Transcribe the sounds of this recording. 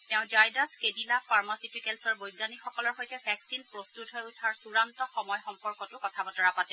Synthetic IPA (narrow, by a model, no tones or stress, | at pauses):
tɛʊ̃d͡ʒajdaskedilafʰaɹmasipikelsɔɹbojɡanixɔkɔlɔɹxojtɛfʰɛksinpɹostutɦɔjutʰaɹsuɹantɔxɔmɔjxɔmpɔɹkɔtʊkɔtʰabɔtɔɹapatɛ